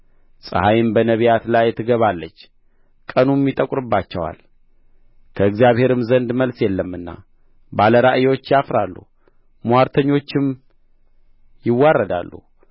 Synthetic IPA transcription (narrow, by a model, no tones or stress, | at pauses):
sʼɨ̰hajɪmbənəβijat̪lajt̪ʰːɨɡəβalːət͡ʃː | kʼənumːit̪ʼəkʼɾɨbːat͡ʃːɛwa̰l | kʰəɨɡzijaβhe̞ɾɨmzənd̪məlsjɛlːəmːɨnːa̰ | baləɾaʔɨjwo̞t͡ʃːjafɾalːṵ | muaɾt̪ʰəɲːo̞t͡ʃːɪm | jɪwːarːəd̪a̰lːṵ